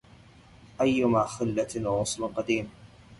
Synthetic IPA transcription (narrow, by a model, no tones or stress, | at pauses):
ʔajːʊmaːxɪlːalʕʊsˤlqɑd̪iːm